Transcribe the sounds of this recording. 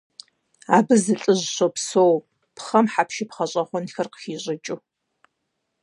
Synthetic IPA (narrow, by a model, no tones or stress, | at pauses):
aːbɨzɨɬʼɨʑɕopsow | pχɐmħapʃipχɐɕʼɐχʷɔnxɐrqə̥xiːɕʼɪt͡ʃʼu